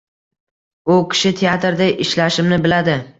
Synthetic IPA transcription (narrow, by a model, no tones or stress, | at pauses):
ʊkʲʰɪ̥ʃɪt̪ʰeat̪ɾd̪aʔɪʃlaʃɪmnɪbɪlad̪ɪ